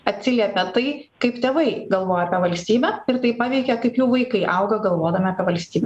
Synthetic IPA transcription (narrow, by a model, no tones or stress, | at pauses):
ɐt̪ʲsʲɪlʲɛpʲɛt̪ɐɪkɐɪpt̪ʲeːʋɐɪɡɐlˠʋoːjɛːpʲɛʋɐlʲsʲt̪ʲiːbʲɛɪɾt̪ɐɪpɑːʋʲɛɪkʲɛkɐɪpjuːʋɐɪkɐɪʔɐʊɡɐɡɐlˠʋoːd̪ɐmʲɪɐpʲɛʋɐlʲsʲt̪ʲiːbʲɛ